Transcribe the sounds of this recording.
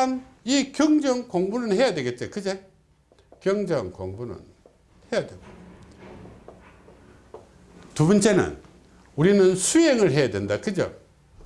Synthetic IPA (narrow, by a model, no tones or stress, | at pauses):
an | ikjʌŋd͡ʑʌŋkoŋbunɯnhe̞jadwe̞ɡe̞t̚t͡ɕ͈okɯd͡ʑe | kjʌŋd͡ʑʌŋkoŋbunɯ̰n | he̞jadweɡo | tubʌnt͡ɕ͈e̞nɯ̰n | uɾinɯnsʰujeŋɯɭɦe̞jadwendakɯd͡ʑo̰